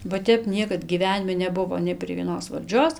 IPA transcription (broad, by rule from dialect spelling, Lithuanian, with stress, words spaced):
bɐ ˈtʲɛp ˈnʲiɛkɐt ɡʲiːˈʋʲæːnʲɪmʲɪ nʲɛˈbʊʋoː nʲɛɪ pʲrʲiɛ ʋʲiɛˈnoːs ʋɐlʲˈd͡ʒʲoːs